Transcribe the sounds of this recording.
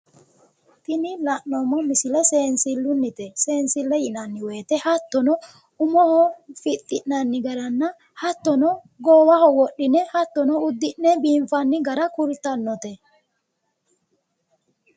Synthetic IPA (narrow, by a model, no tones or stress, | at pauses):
t̪ɪnɪlɐnːɔmːɔmɪsɪlɛseːnsɪlːʊnːɪt̪ɛse̞ːnsɪlːɛjɪnɐnːɪwe̞ːt̪ɛhɐt̪ːɔnɔ | ʊmɔhɔfɪt̪ʼːɪʔnɐnːɪɡɐɾɐnːɐ | hɐt̪ːɔnɔ | ɡoːwɐhɔwɔɗːɪnɛhɐt̪ːɔnɔʊd̪ːɪʔnːɛbiːɱfɐnːɪɡɐɾɐkʊɾt̪ɐnːɔt̪ɛ